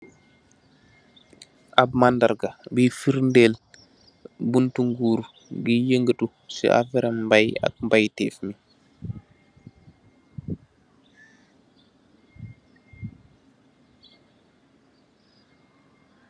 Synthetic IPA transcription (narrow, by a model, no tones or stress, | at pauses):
ʔabmandaɾɡabifiɾndel | buntuŋɡuːɾ | ɡijəŋɡətu | sḭʔa̰fɛɾammbaja̰k̚mbajtɛːfmi